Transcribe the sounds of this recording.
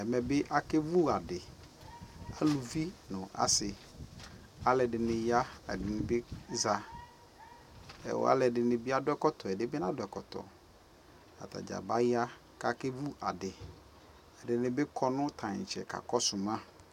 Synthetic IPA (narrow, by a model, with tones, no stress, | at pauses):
ɛ˨mɛ˨bɪ˦ʔa˨ke˦vu˦a˨dɪ˨ | a˦lu˨vi˦nʊ̃˨ʔa̰˨sɪ˨ | a˦lɛ˨dɪ˨nɪ̃˨ja˦ɛ̰˨dɪ˨nɪ̃˨bɪ˦za˨ | ɛ̰˨w̰a̰˦lɛ˨dɪ˨nɪ̃˨bɪ˦a˦dʊ˦ɛ˦kɔ˦tʰɔ˨ɛ˨dɪ˦bɪ˦nã˦dʊ˨ɛ˨kɔ˨tʰɔ̰˨ | a̰˨tʰa̰˨d͡ʒa̰˨ba˦ja˦ | ka˦ke˦vu˦a˨dɪ˨ | ɛ˨dɪ˨nɪ̃˨bɪ˦kʰɔ˦nʊ̃˦tʰã˨ɲ˨t͡ʃʰɛ̰˨kʰa̰˨kɔ˦sʊ˨mã˦